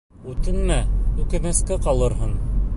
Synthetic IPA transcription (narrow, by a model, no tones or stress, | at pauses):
ʉt̪ɘnmæʉkɘ̆nɘ̆skɘqɑlˠɤ̆ɾɦɤn